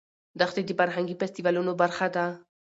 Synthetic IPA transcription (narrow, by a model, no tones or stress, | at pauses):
d̪axt̪ed̪əfaɾɦaŋɡifɛst̪ivalunobaɾxad̪a